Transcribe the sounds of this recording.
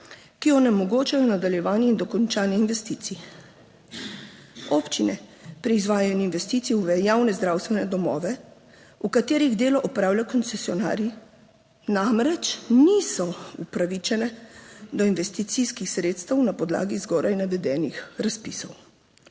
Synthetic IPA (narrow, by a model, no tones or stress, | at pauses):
kijɔnɛmɔɡoːt͡ʃajɔnad̪aljɛʋaːnjɛind̪ɔkɔnt͡ʃaːnjɛinʋɛst̪it̪si | ɔpt͡ʃinɛpɾɛizʋaːjaninʋɛst̪iːt̪siuʋɛjawnɛzd̪ɾaːwst̪ʋɛnɛd̪ɔmɔ̰ːʋɛ | ukat̪eːɾiɣd̪eːlɔʔɔpɾaːwljakɔnt̪sɛsiɔna̰ːɾji | namɾɛt͡ʃnisɔupɾaʋit͡ʃɛnɛd̪ɔinʋɛst̪it̪siskixsɾeːt̪st̪ɛwnapɔd̪la̰ːɡizɡɔːɾʔajnaʋɛd̪ɛːnixɾaspiːsɔw